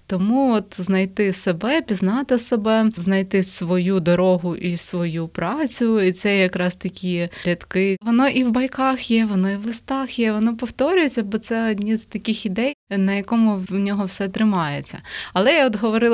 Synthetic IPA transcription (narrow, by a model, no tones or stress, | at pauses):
t̪ɔmuɔt̪znɐjt̪ɪsebɛpʲiznɑt̪ɪsebɛznɐjt̪ɪsʋɔjud̪ɔɾɔɦʊʔisʋɔjupɾɑt͡sʲʊit̪sɛjɐkɾɑst̪ɐkʲijɛɾʲɐt̪kɪʋɔnɔʔiwbɐjkɑxjɛʋɔnɔiʋlˠɪst̪ɑxjɛʋɔnɔpɔwt̪ɔɾʲʊjet͡sʲːɐbɔt̪sɛɔdʲnʲizt̪ɐkʲɪxid̪ɛjnɐjɐkɔmʊnʲɔɦɔwsɛt̪ɾɪmɑjet͡sʲːɐɐlˠɛjaɔd̪ɦɔʋɔɾɪlˠ